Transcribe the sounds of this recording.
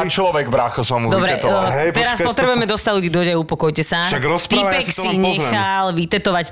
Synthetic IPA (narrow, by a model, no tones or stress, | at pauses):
t͡ʃlɔʋɛɡbɾaxɔsɔmud̪ɔbɾɛɦɛt̪ɛɾaspɔt̪ɾɛbujɛmɛd̪ɔst̪adluɟiːd̪ɔjaupɔkɔjcɛsaʃaɡɾɔspipaksiɲɛxalʋit̪ɛt̪ɔʋac